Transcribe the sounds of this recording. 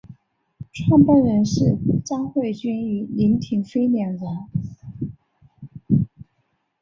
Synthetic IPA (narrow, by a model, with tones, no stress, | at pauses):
ʈ͡ʂʰwa˥˧ŋpa˥˩nɻə˧˥nʂɻ̩˥˩t͡sɑ˥ŋxwe˥˩ɪt͡ɕy˥ny˧˥li˧˥ŋt̪ʰi˧˥ŋfe˥ɪljɛ˧˩ŋza˧˥